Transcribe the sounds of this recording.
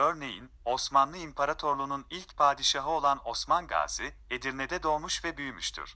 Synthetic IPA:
ø̞ɾne̞jḭn | o̞smanlˠɯimpʰaɾat̪ʰo̞ɾlˠununilʲcpʰaːd̪iʃaɦɯo̞lˠano̞smanɡa̰ːzɯe̞d̪iɾnɛd̪ɛd̪o̞ːmuʃvɛbyjmyʃt̪ʰy̰ɾ̥

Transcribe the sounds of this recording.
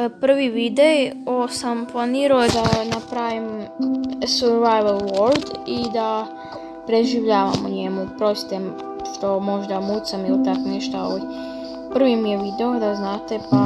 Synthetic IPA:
pr̩ʋiʋid̪ejosamplˠaniːɾaojed̪anapɾaʋim | soɾʋajʋalˠʋoɾd̪id̪a | pɾeʒiʋʎaːʋa̰muɲemupɾost̪em | ʃt̪o̞mo̞ʒd̪amuːt̪samilit̪akneʃt̪aoo | pr̩ʋimijeʋid̪eod̪aznaːt̪e̞pa

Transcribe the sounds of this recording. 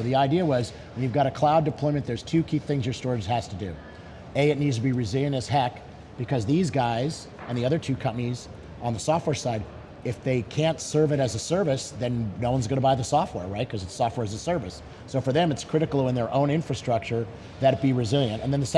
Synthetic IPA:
ðiaɪdiəwʌz | wə̃njʉvɡɑɾɨkʰl̥aʊdɨpʰl̥ɔ̃ɪ̃mɨ̃nðə˞z̥tʰʉkʰiθɪ̃ŋzjə˞stɔɹz̥hæz̥tʰɨdʉ̰ | eɪɨtⁿnidz̥tʰɨbiɹɨzɪlˠjɨ̃ntɨz̥hæk | b̥ɨkʰʌzðizɡaɪz | ɨ̃nðiʌðə˞tʰʉkʰʌ̃mpəniz | ʔə̃nðəsɔft̚wɛɹsaɪɾ | ɨfðeɪkʰæ̃ntsɜ˞vɨɾɨzəsɜ˞vɨsðɨ̃nnoʊwʌ̃nzɡʌ̃nəbaɪðəsɔft̚wɛ̰ɹɹaɪt̚kʰʌzɨtsɔft̚wɛɹɨzəsɜ˞vɨsː | oʊfə˞ðɨ̃mɨtskʰɹ̥ɪɾɨkl̩ˠə̃nðə˞ʔõʊ̃nɪ̃ɱfɹɨstɹ̥ʌk̚t͡ʃə˞ | ðɨb̥iɹɨzɪlˠjɨ̃ntɨ̃nðɨ̃nðɨs

